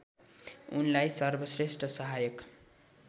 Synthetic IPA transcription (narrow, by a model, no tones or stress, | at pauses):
ṵnlajsʌrbʱʌsresʈʰʌsʌɦajʌk